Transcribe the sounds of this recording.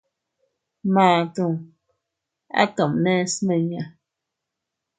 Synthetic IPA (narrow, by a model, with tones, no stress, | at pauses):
maː˨tu˦˨ŋ | a̰˦kə˨mnɛ˦smə˨ɲa˨